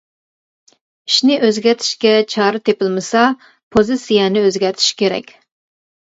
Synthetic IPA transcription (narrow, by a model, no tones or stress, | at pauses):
iʃnɪʔøzɡʲɛt̪ʰi̥ʃkʲɛt͡ʃʰɑɾɨt̪ʰepɪlˠmɨsɑ | pʰozɨsijɛnɪøzɡʲɛɾt̪ʰi̥ʃkʲʰeɾɛ̰kʲ